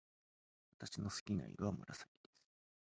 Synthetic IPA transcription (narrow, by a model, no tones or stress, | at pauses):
βat̪aɕino̞sɨ̥kʲina̰iβamoɾʔasaɡʲid̪̥esɨ̥